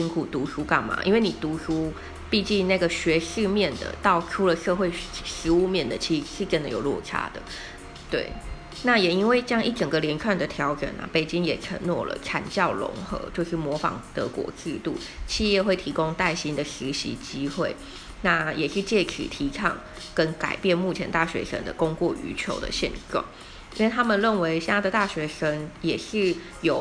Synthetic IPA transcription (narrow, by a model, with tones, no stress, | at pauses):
ɕi˥nkʰu˨˩t̪u˧˥ʂu˥ka˥˩ŋma̰˩ʔḭ˥nwe˥˩ɪni˨˩t̪u˧˥ʂu˥ | pi˥˧t͡ɕi˥˧ŋna˥˩ɡə˩ɕɥɛ˧˥ʂɻ̩˥˧mjɛ˥˩nd̪ə̰˩t̪ɑ˥˩ʊʈ͡ʂʰu˥lə˨ʂɤ˥˧xwe˥˩ɪʂɻ̩˧˥u˥˧mjɛ˥˩nd̪ə˩t͡ɕʰi˧˥ʂɻ̩˥˩ʈ͡ʂə˥˦nd̪ə˨˦jo˨˩ʊlwɔ̰˥˩ʈ͡ʂʰa̰˥d̪ə̰˨ | t̪wḛ˥˩ɪ | na˥˩jɛ˨˩i˥nwe˥˩ɪt͡ɕjɑ˥ŋʔi˥˩ʈ͡ʂə˨˩ŋɡə˩ljɛ˧˥nʈ͡ʂʰwa˥˩nd̪ə˩t̪ʰjɑ˧˥ʊʈ͡ʂə̰˨˩na̰˨pe˨˩ɪt͡ɕi˥ŋjɛ˨˩ʈ͡ʂʰə̰˧˥ŋnwɔ̰˥˩lə̰˨˩ʈ͡ʂʰa̰˨˩nt͡ɕjɑ˥˩ʊlʊ̰˧˥ŋxɤ̰˧˥t͡ɕjo˥˧ʊʂɻ̩˥˩mwɔ˧˥fɑ̰˨˩ŋt̪ɤ̰˧˦kwɔ̰˧˥ʈ͡ʂɻ̩˥˧t̪u˥˩ | t͡ɕʰi˥˧jɛ˥˧xwe˥˩ɪt̪ʰi˧˥kʊ˦ŋt̪a˥˩ɪɕi˥nd̪ə˨ɕi˧˥ɕḭ˧˥t͡ɕi˥xwe˥˩ɪ | na˥˩jʔɛ˨˩ʂɻ̩˥˧t͡ɕjɛ˥˩kʰḭ˨˩t̪ʰi˧˥ʈ͡ʂʰɑ̰˥˩ŋ | kə˦˥nka̰˨˩ɪpjɛ˥˧nmu˥˩t͡ɕʰjɛ˧˥nt̪a˥˩ɕɥɛ̰˧˥ʂə̰˧˥nd̪ə̰˧˨ko˥ŋkwɔ˥˩ʔy̰˧˥t͡ɕʰjo̰˧˥ʊd̪ə̰˧ɕjɛ̰˥˧nʈ͡ʂwɑ̰˥˩˦ŋ | i˥nwe˥˩ɪt̪ʰa˥mə˨nɻə˥˩nwe˧˥ɪɕa˥d̪ə˨t̪a˥˩ɕɥɛ˧˥ʂə˧˥ŋjɛ˨˩ʂɻ̩˥˩ | jo˨˩˦ʊ